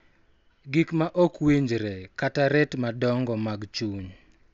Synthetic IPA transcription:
ɡikmaʔɔkwiɲd͡ʒɾɛkataɾɛtmadɔŋɡɔmaɡt͡ʃuɲ

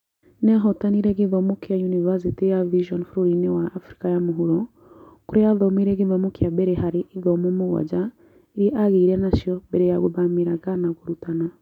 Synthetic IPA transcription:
nɛɦɔtaniɾɛɡiðɔmukijajunivasitijaviʒɔnfɾɔɾinɛwaafɾi̥kajamuɦuɾɔ | kuɾɛaðɔmiɾɛɡiðɔmukijabɛɾɛɦaɾiʔiðɔmomuɣa̰d͡ʒa | iɾiʔaɣiiɾɛnaʃiɔbɛɾɛjaɣɔβamiɾaɡanaɡuɾutana

